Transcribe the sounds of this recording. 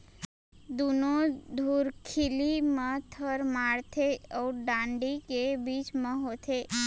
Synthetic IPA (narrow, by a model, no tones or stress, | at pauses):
d̪unod̪ʱuɾkʰilimə̃t̪ʰəɾmaɭt̪ʰeəuɖãɳɖikebit͡ʃmə̃ɦot̪ʰe